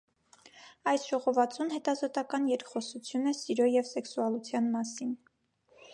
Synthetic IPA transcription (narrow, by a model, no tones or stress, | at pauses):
ɑjsʒ̥ɔʁɔvɑt͡sunhɛt̪ɑzɔt̪ɑkɑnjɛɾkχɔsut͡sʰjunɛsiɾɔjɛvsɛksuɑlut͡sʰjɑnmɑsin